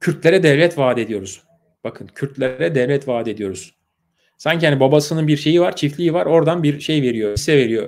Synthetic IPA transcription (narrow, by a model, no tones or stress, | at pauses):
cʰyɾt̪lʲeɾɛd̪ɛvlʲɛt̪vaːd̪e̞d̪ijo̞ɾuz̥ | bakʰɯncʰyɾt̪lʲeɾɛd̪ɛvlʲɛt̪vaːd̪e̞d̪ijo̞ɾuz̥ | saɲcʰiɦanibabasɯnɯnbiɾʃe̞jivaɾt͡ʃʰiflʲiivaɾo̞ɾd̪anbiɾʃe̞jve̞ɾijo̞isːɛve̞ɾijo